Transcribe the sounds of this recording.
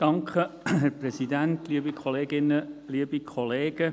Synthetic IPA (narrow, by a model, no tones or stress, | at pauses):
d̥ɑŋkʰəɦɛɾprɛsid̪ænt̪liːəbikʰɔleːɡɪnːəliːəbikʰɔleːɡ̥ə